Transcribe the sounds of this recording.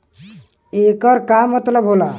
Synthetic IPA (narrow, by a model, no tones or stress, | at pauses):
ekʌɾkamət̪ləbɦola